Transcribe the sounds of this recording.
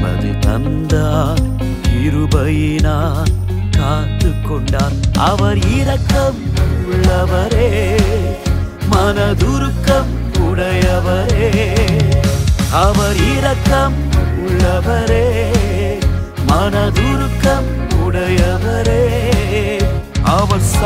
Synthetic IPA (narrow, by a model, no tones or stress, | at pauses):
mɐ̰ðɯ̰t̪ɐ̰nd̪aːl | ɪɾɯbɐjɪnaː | kaːʈːɯkːɔɳɖaːlʔɐʋɐɾɪɾɐkːɐmʊɭːɐʋɐɾeː | mɐnɐðʊɾɯkːɐm | ʊɽɐjɐʋɐɾeː | ɐʋɐɾɪɾɐkːɐm | ʊɭːɐʋɐɾeː | mɐnɐðʊɾɯkːɐm | ʊɽɐjɐʋɐɾeː | ɐʋɐɾs